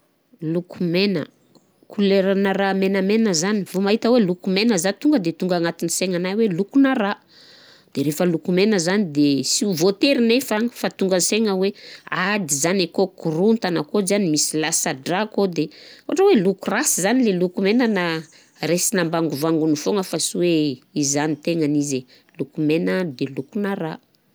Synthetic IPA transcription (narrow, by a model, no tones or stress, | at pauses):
lukumenə̰ | kʰuleɾanaɾamenamenəzanivomaɦit̪əwelukumenəzat̪uŋɡəd̪et̪uŋɡaŋat̪iniseŋanajwelukunara | d̪̥eɾefəlukumenəzanid̪esiuvot̪eɾinefaŋəfat̪uŋɡənseŋəwead̪izanekokuɾunt̪anakozanimisilasaɖ͡ʐakod̪eoaʈ͡ʂəwelukurasizanilelukumenəna | resinambaŋɡuvaŋɡunifoŋəfasiweizanit̪eŋanize | lukumenəd̪elukunaɾa